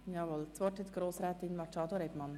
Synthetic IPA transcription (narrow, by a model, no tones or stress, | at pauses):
jɑːvɔlt͡sʋɔrthɛt̪ɡ̥ɾoːsɾæːt̪inmɑt͡ʃɑːd̪oɾɛbmɑn